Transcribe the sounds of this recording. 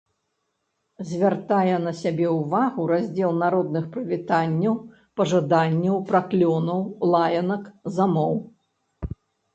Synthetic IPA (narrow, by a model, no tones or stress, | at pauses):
zʲvʲart̪ajɛnɐsʲabʲɛuvaɣuɾazʲd͡zʲɛlˠnaɾɔd̪nɨxpɾɨvʲit̪anʲːɐw | pɐʐad̪anʲːɐwpɾaklʲɔnɐwlˠajɐnɐkzamɔw